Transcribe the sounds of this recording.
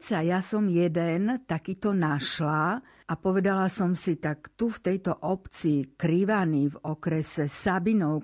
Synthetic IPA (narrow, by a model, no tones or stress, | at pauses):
t͡sajasɔmjɛd̪ɛnt̪akiːt̪ɔnaʃla | ʔapɔʋɛd̪alasɔmsit̪akt̪uft̪ɛjt̪ɔʔɔpt͡siːkɾiʋanivɔkɾɛsɛsabinɔʊ